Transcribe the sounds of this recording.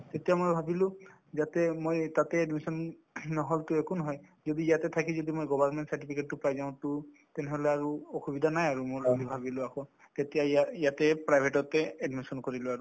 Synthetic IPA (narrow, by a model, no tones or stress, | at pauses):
t̪et̪ijamoɹbʱabilʊ̃ | zat̪ɛmojt̪at̪ɛːdmisɔnː | ɔɦɔltʊekunɦɔjzɔd̪iːjat̪ɛt̪ʰakĩzɔd̪imojɡɔbʱaɹnmɛntsaɹtipʰiket̚ːupajzaʊ̃tu | t̪ɛnɛɦɔleaɹuɔxubid̪ʱanajaɹumoɹamibʱabilʊakʰɔ̃ | t̪etijaaijat̪ɛpɹajbʱeʈɔtɛɛdmisɔnkɔɹilʊaɹu